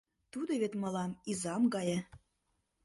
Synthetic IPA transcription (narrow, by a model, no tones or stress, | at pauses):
t̪ud̪ŏβet̪mɤ̆lɑmizɑmɡɑjĕ